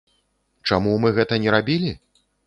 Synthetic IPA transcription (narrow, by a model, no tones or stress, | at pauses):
t͡ʂamumɨɣɛt̪ɐnʲɛɾabʲilʲi